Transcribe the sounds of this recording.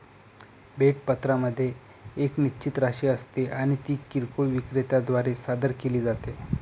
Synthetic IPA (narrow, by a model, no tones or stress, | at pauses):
beʈ̚pət̪ɾaməd̪ʱːjeː | knit͡ɕit̪ɾaɕiəst̪eʔaɽ̃it̪iːkiɾkoɭʋikɾet̪ad̪ʋaɾesad̪əɾkeliːd͡zat̪e